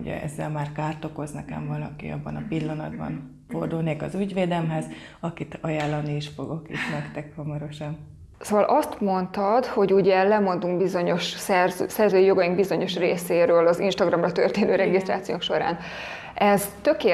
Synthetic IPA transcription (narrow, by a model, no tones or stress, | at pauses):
uɟɛ̰ɛ̰zːɛ̰lmaːrkaːrt̪o̞ko̞znɛkɛ̰ɱvɒlɒ̰kḭɒ̰bːɒnɒpilːɒnɒ̰d̪bɒ̰n | ford̪ulneːkɒzyɟʋeːd̪ɛlmɦɛz | ɒkit̪ɒjaːlːɒniiʃfo̞ɡo̞kḭʃnɛkt̪ɛkhɒmɒɾo̞ʃɒn | soːvɒlʔɒst̪mo̞nt̪ɒd̪ho̞ɟuɟɛlɛmo̞nd̪uŋɡbizo̞ɲo̞ʃsɛrsɛrzøːijo̞ɡɒjiŋɡbizo̞ɲo̞ʃrḛːseːɾøːlɒzḭnʃt̪ɒɡrɒmrɒt̪ø̰rt̪eːnøːɾɛɡist̪ra̰ːt̪siokʃo̞ɾa̰ːn | ɛzt̪økeː